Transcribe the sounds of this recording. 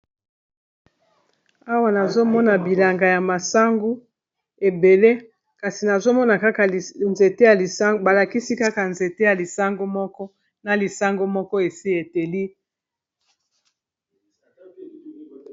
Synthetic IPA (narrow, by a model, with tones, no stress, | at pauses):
a˦wa˦˨na˨zo˦mɔ˦na˨bi˨la˨ŋɡa˨ja˨ma˨sa˦ŋɡu˦ | e˨be˨le˦ | ka˨si˨na˨zo˦mɔ˦na˨ka˦ka˨nze˨te˦ja˨li˨sa˦ŋɡba˨la˨ki˦si˦ka˦ka˨nze˨te˦ja˨li˨sa˦ŋɡo˦mɔ˦kɔ˦ | na˨li˨sa˦ŋɡo˦mɔ˦kɔ˦e˨si˦e˨te˨li˦